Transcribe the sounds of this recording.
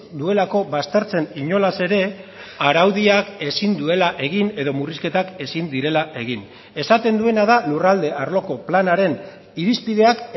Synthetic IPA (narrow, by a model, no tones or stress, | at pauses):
d̪ue̞lako̞βast̪e̞ɾt͡se̞niɲo̞lase̞ɾe̞ | aɾawðiake̞sind̪ue̞laʔe̞ɣine̞ðo̞muriske̞t̪ake̞sind̪iɾe̞laʔe̞ɣ̞in | e̞sat̪e̞nd̪ue̞naðalurald̪e̞ʔaɾlo̞ko̞planaɾe̞n | iɾispið̞e̞ak